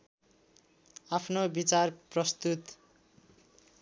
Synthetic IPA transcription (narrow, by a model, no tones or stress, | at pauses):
apʰnobit͡sarprʌst̪ut̪